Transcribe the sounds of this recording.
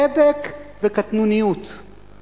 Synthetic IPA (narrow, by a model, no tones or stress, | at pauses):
ed̪ekvɪkat̪nunɪjuːt̪